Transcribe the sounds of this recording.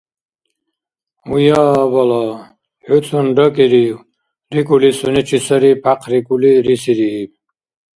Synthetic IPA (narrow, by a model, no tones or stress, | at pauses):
ujaːbala | ħut͡s̪ʰunɖəkiɾiw | ɾikulisunit͡ʃʰisəɾipʰaqʰɾikuliɾisiɾiːb̚